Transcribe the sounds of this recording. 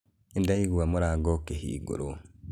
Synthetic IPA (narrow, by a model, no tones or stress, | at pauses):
indaiɡuwamuɾaɡokehḭːɡṵɾo